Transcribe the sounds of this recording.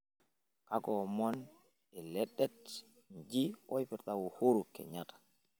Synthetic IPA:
kakɔmɔn | ɛlɛɗːɛt | ɲd͡ʒiwɔjpɛɾtawɔhoɾukɛ̰ɲatḁ

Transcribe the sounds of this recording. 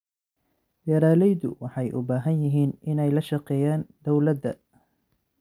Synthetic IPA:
jɐɾaːlɛjðʊ̰wɑħɑjʔʊ̰baːɦɐnjɪɦiːnʔɪnɛjlɐʃɑqɛːjaːnd̪ɔwlɐd̪ːɐ̰

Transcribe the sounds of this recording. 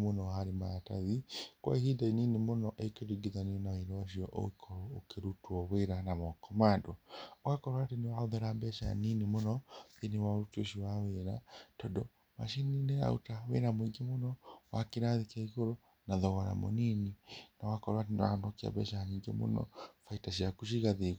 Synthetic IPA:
monɔhaɾimaataðikwa̰ihidaininimonɔʔeikeɾiɡiðaniɔnaiɾɔwaʃiɔʔo̰ikʰɔɾoːkeɾutuɔβeɾanaβɔkɔmadɔwakɔɾwatenewaoðeɾabɛʃaa̰ninimonɔðiniwaɾutoʃiwaweɾatɔdɔ | ma̰ʃininea̰utawḛɾamwiŋɡemonɔwakiɾaðikaiɣoɾo | naðɔɣaɾa̰mo̰nininawakɔɾwatenewa̰nɔkia̰bɛ̰ʃaaniːŋɡḛmo̰nɔ̰faitaʃiakuʃiɣaðiɣ

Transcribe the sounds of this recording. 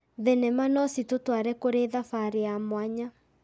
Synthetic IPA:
ðenɛmanɔsitotwaɾɛkoɾeðafaɾeamwaɲa

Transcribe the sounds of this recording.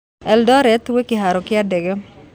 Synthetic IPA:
ɛldɔɾɛt̪wekɪɦaɾɔkɪadɛɡɛ

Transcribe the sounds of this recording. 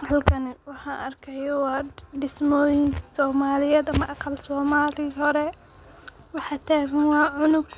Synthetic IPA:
hɐlkʰɐnɪwɑħɑnʔɐrkʰɛjɔwɑːɖɪsmɔːjɪŋkʰsɔːmaːlɪjɛːd̪ɐmɐʔɑqɑlsɔːmaːlɪhɔɾɛ | wɑħɑt̪ʰaːɣɐnwɑːʕʊnʊɡ

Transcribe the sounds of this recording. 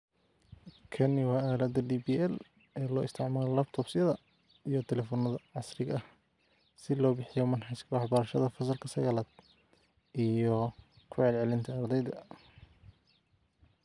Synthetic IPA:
kʰɐnɪwɑːaːlɐd̪ɐɖiːbiːɛl | ɛːlɔːɪst̪ʰɪʕmaːlɔlɐb̚t̪ʰɔːbsɐðɐ | ijɔt̪ʰɛlɛːfɔnɐðɐʕɑsrɪɣɐh | sɪlɔːbɪħɪjɔmɐnħɑskʰɐwɑħbɐɾɐʃɐðɐfɐs̬ɐlkʰɐsɐɣɐlɐd̪̚ | ʔijɔ | kʰʊʕɛlʕɛlɪnt̪ʰɐːrd̪ɛjd̪ɐ

